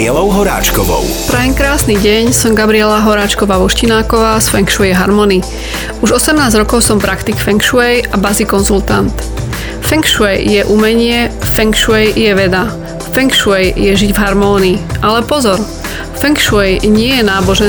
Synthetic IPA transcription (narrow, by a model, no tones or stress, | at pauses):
ɛlɔʊɦɔɾa̰ːt͡ʃkɔʋɔ̰wpɾajɛɲkɾaːsniɟɛɲsɔmɡabɾiɛlaɦɔɾaːt͡ʃkɔʋaːʋɔʃcinaːkɔʋaːsfɛŋkʃuɛjɦaɾmɔni | uʒɔsɛmnaːzɾɔkɔʊsɔmpɾakt̪ikfɛŋkʃuɛjabazikɔnzult̪ant̪ | fɛŋkʃuɛjjɛʔumɛɲɪɛfɛŋkʃuɛjjɛʋɛd̪a | fɛŋkʃuɛjjɛʒiɟvɦaɾmɔːniːʔalɛpɔzɔɾ | fɛŋkʃuɛjɲɪɛjɛnaːbɔʒɛ